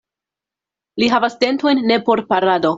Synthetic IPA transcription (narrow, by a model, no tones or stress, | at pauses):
liɦavaste̞nto̞jnːe̞po̞ɾpaɾado̞